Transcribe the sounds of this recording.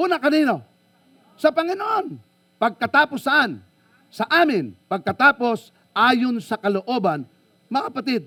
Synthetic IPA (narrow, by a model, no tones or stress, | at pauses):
ʔuːnɐkɐniːno̞ | sɐpɐŋɪnoʔon | pɐɡ̚kɐt̪aːposɐʔan | sɐʔaːmɪnpɐɡ̚kɐt̪aːpo̞s | ʔaːjonsɐkɐloʔo̞bɐn | mɐkapɐt̪ɪd̪̚